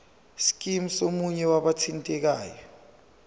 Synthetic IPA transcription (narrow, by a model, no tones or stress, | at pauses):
si̥k̬ʼim̩somuɲɛwaɓatʰintʼɛk̬aːjɔ